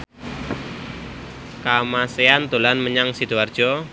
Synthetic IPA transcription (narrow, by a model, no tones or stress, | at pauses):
kamaseant̪olanməɲaŋsid̪̥uard̥ʒ̥ɔ